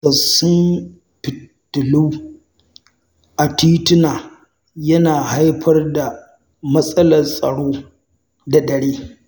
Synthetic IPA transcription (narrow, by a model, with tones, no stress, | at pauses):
sɐ˨sʊ˦m | pɪ˨tːʊ˨lu˦ | ʔa˨tiː˦tɪ˦naː˨ | jɐ˦naː˨ha˦jɸʰɐ˦rda˨ | mɐ˦sʼɐ˦lɐ˨rsʼɐ̰˨ɽoː˦ | da˨dɐ˨ɽeː˦